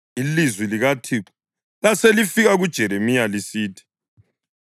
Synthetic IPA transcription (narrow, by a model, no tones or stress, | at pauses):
ilizwiliɣatʰiǁu̥ | laselifiɣaɣud̥ʒ̥ʱɛɾemijalisiːtʰi̥